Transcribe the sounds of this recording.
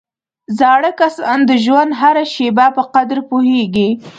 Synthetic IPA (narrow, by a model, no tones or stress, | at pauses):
zɑɽəkasɑ̰nd̪əʒwand̪ɦaɾaʃebapəqad̪ɾpuheɡi